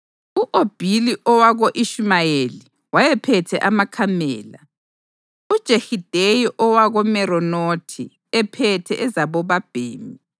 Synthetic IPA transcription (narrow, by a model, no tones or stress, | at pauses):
uʔob̥ʱiliʔɔwaɣoʔiʃmajeli | wajɛpʰɛtʰɛ̰ʔamakʰamɛ̰ːla̰ | ud̥ʒ̥ʱexid̥ʱejiʔɔwaɣɔmɛɾɔnotʰi | ɛpʰɛtʰɛʔɛzaβɔβab̥ʱḛːmi